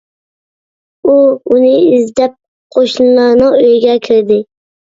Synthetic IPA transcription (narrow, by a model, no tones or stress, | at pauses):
uunɨizd̪ɛp̚ | qʰoʃnlˠɑɾnɨŋøjɡʲɛkʲʰiɾd̪ɪ